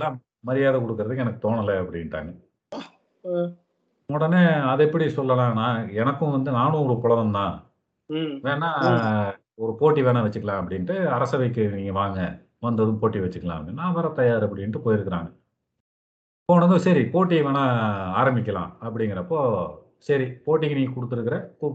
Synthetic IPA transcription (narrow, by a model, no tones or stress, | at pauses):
lːãː | mɐɾɪjaːðɐkɔɽɯkːɯɾɐðɯkɛnɐkːɯ̥t̪oːɳɐlːɐɐpːɐɽɪnʈːa̰ːŋɡɐ | mɔɽɐneːɐðɛpːɐɽisɔlːɐlãːnːaːɛnɐkːʊ̃ʋɐnd̪ɯnaːnɯ̃ɡɾɯpɔɭɐðɐmt̪ãː | ʋeːnːaː | ɔɾɯpoːʈːiʋeːɳɐʋɐt͡ʃːɯkːɐlãːɐp̬ːɐɽɪnʈːɯɐɾɐsɐʋɐɪkːɯniːŋɡɐʋaːŋɡɐ | ʋɐnd̪ɐðɯ̃poːʈːiʋɐt͡ʃːɯkːɐlã̰ːɐpːɐɽɪnːaːʋɐːɾɐt̪ɐjaːɾɐpːɐɽɪnʈːɯpoːjɪɾɯkːɐɾa̰ːŋɡɐ | pːoːɳɐnɯsɐɾipoːʈːiʋeːnaːaːɾɐmbɪk̬ʲːɐlã̰ːɐp̬ːɐɽɪŋɡɪɾɐːpːoː | sɐɾipoːʈ̬ːikːɯniːŋɡɐkɔɽɯt̪ːɯɾɯkːɪɾɐɪpːoː